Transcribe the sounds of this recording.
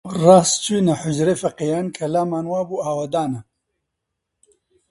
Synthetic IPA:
raːst͡ʃiːnɐħʊd͡ʒɾeːfɐqejaːnkʰɐlaːmaːnwaːbuːaːwɐd̪aːnɐ

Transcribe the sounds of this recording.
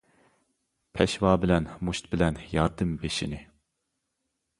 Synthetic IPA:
pʰɛʃwɑːbɪlɛnmuʃt̪̚bɪlɛnjɑɾd̪ɨmbeʃinɪ

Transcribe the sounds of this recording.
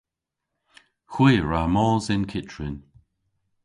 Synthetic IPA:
xwiːɹamɔːzɪnkʰɪtɹɪn

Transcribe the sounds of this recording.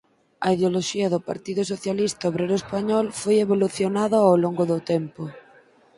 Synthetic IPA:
ɐiðeoloʃiaðʊpa̰ɾt̪iðʊsoθjalist̪aoβ̞ɾeɾoespaɲɔlfojeβoluθjonaðaawloŋɡoðʊt̪ɛmpo

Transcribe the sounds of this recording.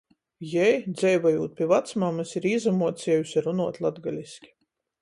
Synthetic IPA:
jɛjd̪zʲɛjvajuːt̪̚pʲivat̪smamɨsiɾiːzamuɔt̪siɛjʲusʲaɾunuɔt̪ʲlˠad̪ɡalʲisʲkʲi̥

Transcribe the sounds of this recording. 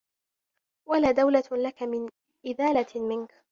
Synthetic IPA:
walaːd̪awlalakamɪn | ʔɪðaːlamɪnk

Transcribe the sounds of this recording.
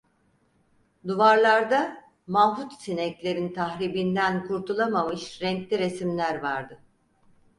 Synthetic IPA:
d̪uvaɾlˠaɾd̪a | mafut̪sinɛklʲe̞ɾint̪ʰaɦɾibind̪ænkʰuɾt̪ʰulˠamamɯʃɾɛŋklʲiɾe̞simlʲæɾvaɾd̪ɯ

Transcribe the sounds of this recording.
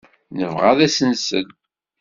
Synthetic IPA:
nəvʁaðæsənsə̰n

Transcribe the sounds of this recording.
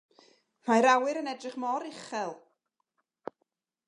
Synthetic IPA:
majɾawɨɾənɛdrɪχmɔɾɪχɛlˠ

